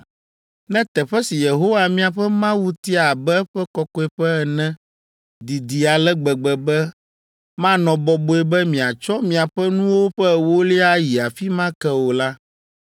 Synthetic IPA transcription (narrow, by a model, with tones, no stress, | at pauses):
nɛ̃˦t̪ɛ˨ɸɛ˦si˨je˨ɦo˦wa˨mĩ˦a˨ɸɛ˦mã˦wu˦t̪i˦a˨bɛ˦ɛ˦ɸɛ˦kɔ˦kɔ˦ɛ˨ɸɛ˦ɛ˨nɛ̃˦ | d̪i˨d̪i˨a˨lɛ˦ɡ͡bɛ˨ɡ͡bɛ˨bɛ˦ | mã˦nɔ̃˨bɔ˨bo˦ɛ˦bɛ˦mĩ˨a˨t͡ʃɔ˦mĩ˨a˨ɸɛ˦nũ˦wo˦ɸɛ˦˨wo˦li˦a˦ji˨a˨fi˦mã˦kɛ˦wo˨la˦